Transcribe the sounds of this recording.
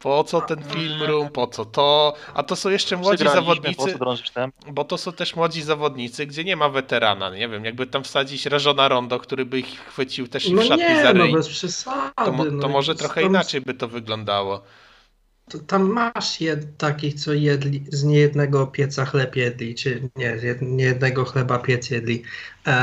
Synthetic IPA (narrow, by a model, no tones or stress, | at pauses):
pɔt̪sɔt̪ɛnfʲilmɾumpɔt̪sɔt̪ɔa̰t̪ɔsɔ̃w̃jɛʂt͡ʂɛmwɔd͡ʑɡizzavɔd̪ɲit̪sɘd̪ɾɔ̃ʒiʃt̪ɛmbɔt̪ɔsɔ̃w̃t̪ɛʂmwɔd͡ʑizavɔd̪ɲit̪sɘɡd͡ʑɛɲɛmavɛt̪ɛɾa̰na̰ɲɛvʲjɛmjaɡ̚bɘt̪amfsad͡ʑit͡ɕɾaʐɔnaɾɔnd̪ɔkt̪uɾɘbɘixxfɘt͡ɕiwt̪ɛʂnɔaɲɛnɔbɛspʂɘsaɔdmɘnɔɔmɔʐɛt̪ɾɔxɛimnat͡ʂɛjbɘt̪ɔvɘɡlɔnd̪awɔ | t̪ɔt̪amːaʂjɛt̪akʲixt̪sɔjɛd̪lʲizɲɛjɛd̪nɛɡɔpʲjɛt̪saxlɛpjɛd̪lʲit͡ʂɘɲɛzjɛd̪ɲɛjɛd̪̚nɛɡɔxlɛbapʲjɛt̪sjɛd̪lʲi